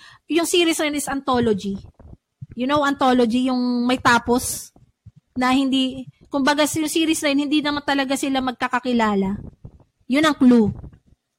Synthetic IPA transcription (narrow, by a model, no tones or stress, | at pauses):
jʊŋsiːɾisnɐjonɪsɐnt̪o̞lod͡ʒi | jʊnowɐnt̪o̞lod͡ʒijʊŋmɐjt̪aːpo̞s | nɐhɪnd̪i | kʊmbɐɡajʊŋsiːɾisnɐjonhɪnd̪inɐmant̪ɐlɐɡasɪlamɐɡ̚kɐkɐkɪlaːlɐ | jʊnɐŋklu